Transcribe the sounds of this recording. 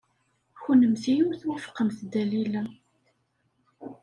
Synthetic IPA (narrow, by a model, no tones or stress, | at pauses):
çunəmθijumθwəfqəmθd̪ælilæ